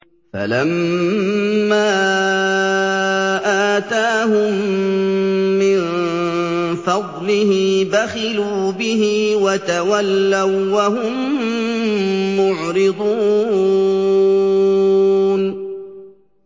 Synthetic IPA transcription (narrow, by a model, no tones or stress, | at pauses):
fa̰lamː | aː | ʔaːt̪aːɦʊm | ɪn | fɑd̪ˤlɪhɪbaxɪluːbɪɦɪwat̪awalːawwaɦʊm | ʊʕɾɪd̪ˤuː | n